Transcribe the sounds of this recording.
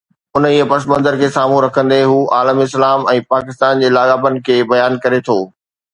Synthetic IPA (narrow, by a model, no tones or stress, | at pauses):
ʊniːəpɐsmə̃nzəɾkʰeːsaːm̤ũɾɐkʰə̃nd̪eɦuːʔaːləmɪslaːmɛ̃ːpaːkɪst̪aːnd͡ʑeːlaːɠaːbənɪ̆kʰeːbɐjaːnkɐɾet̪ʰoː